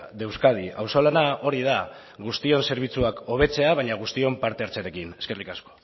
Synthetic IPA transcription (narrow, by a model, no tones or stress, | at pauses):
d̪e̞wskað̞iawso̞lanao̞ɾiða | ɣust̪io̞nse̞ɾβ̞it͡suako̞β̞e̞t͡se̞aβaɲaɣ̞ust̪io̞mpaɾt̪eaɾt͡seaɾe̞kine̞ske̞rikasko̞̥